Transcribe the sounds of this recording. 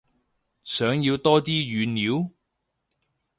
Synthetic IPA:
sœː˨˥ŋjiː˧wt̪ɔː˥t̪iː˥ɥyː˨˧nniː˨˥w

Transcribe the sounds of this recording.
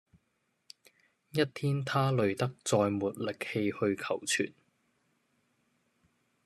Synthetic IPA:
jɐ˥t̚t̪ʰiː˥nt̪ʰaː˥lɵ˨˩ɥt̪ɐ˥k̚t͡sɔː˧jmuː˨t̚lɪ˨k̚he˧jhɵ˧ɥkʰɐ˨˩wt͡sʰy̰ː˨˩n

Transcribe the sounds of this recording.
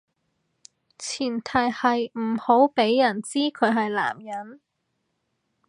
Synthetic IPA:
t͡sʰiː˨˩nt̪ʰɐ˨˩jhɐ˨jm̩˨˩ho˨˥wpe˨˥jːɐ˨˩nt͡siː˥kʰɵ˨˧ɥɦɐ˨jla̰ː˨˩mjɐ˨˥n

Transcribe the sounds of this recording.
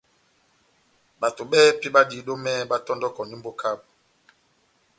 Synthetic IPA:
ɓa˨to˨ɓɛ˦pi˦ɓa˦di˨ɗo˦mɛ˦ɓa˦tɔ˦ndɔ˦kɔ˨ni˦mbo˦kʰa˦˨ɓ̚

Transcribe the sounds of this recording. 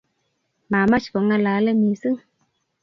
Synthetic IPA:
ma˨ma˦t͡ʃkɔ˨ŋa˦la˨˦lɛ˦mi˨sɨ˦ŋ

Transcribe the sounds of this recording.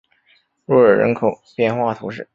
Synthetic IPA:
ɻɔ˥ə˞˨˩ɻə̰˧˥nkʰo˨˩ʊpjɛ˥˧nxwa˥˩t̪ʰu˧˥ʂ̬ɻ̩˥˩

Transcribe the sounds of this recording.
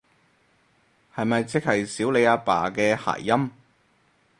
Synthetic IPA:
hɐ˨jmɐ˨jt͡sɪ˥k̚hɐ˨jsiː˨˥wle˨˧jaː˧pa̰ː˨˩kɛː˧ha̰ː˨˩jːɐ˥m

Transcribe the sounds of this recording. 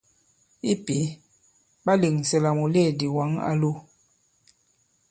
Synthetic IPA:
i˦pi˨˦ | ba˦li˨ŋ˨sɛ˨la˨mu˨le˦˨di˨wa˨˦ŋa̰˦lu˦

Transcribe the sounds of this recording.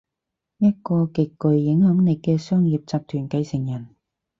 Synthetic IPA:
jɐ˥t̚kɔː˧kɪ˨kːɵ˨ɥːɪ˨˥ŋhɐ˨˥ŋne˨˧jkɛː˧sœː˥ŋjiː˨p̚t͡saː˧p̚t̪ʰyː˨˩nkɐ˧jsɪ˨˩ŋjɐ˨˩n

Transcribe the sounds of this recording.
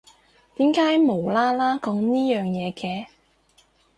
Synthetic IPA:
t̪iː˨˥mkaː˨˥jmo˨˩wlaː˥laː˥kɔː˨˥ŋniː˥jœː˨ŋjɛː˨˧kɛː˨˧˦

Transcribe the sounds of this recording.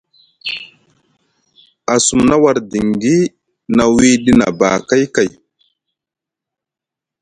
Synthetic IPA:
a˨su˨mna˦wa˨ɾdi˨ŋɡi˦ | na˨wi˦ɗi˦na̰˨ba̰ː˨ka˦jka˨j

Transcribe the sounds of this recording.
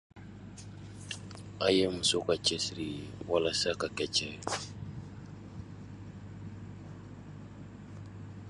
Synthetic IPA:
a˨je˦mu˨so˦ka˨t͡ʃɛ˦si˨ɾi˨wa˦la˦sa˦ka˨kɛ˨t͡ʃɛ˨

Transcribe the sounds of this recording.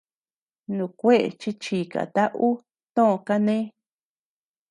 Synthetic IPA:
nũ˨kʷe˦ʔḛ˨t͡ʃi˧t͡ʃiː˨ka̰˨t̪a˦ʔu˦ | t̪õ˦ʔõ˧ka˦nẽ˦

